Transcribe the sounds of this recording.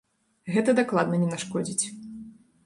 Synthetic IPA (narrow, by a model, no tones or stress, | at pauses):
ɣɛt̪ɐd̪aklˠad̪nɐnʲɛnaʂkɔd͡zʲit͡sʲ